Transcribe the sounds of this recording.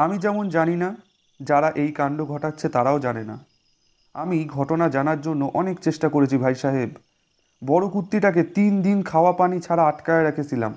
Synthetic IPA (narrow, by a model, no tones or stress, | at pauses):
amid͡ʑɛmond͡ʑanina | d͡ʑaɾaʔejkaɳɖoɡʱɔʈatːɕʰet̪aɾaod͡ʑanena̰ | amiɡʱɔʈonad͡ʑanaɾd͡ʑonːoʔɔnekt͡ɕeʃʈakoɾet͡ɕʰibʱajʃaɦeb | bɔɽokut̪ːiʈak̬et̪ind̪inkʰaoapanit͡ɕʰaɾaaʈkaeɾekʰet͡ɕʰila̰m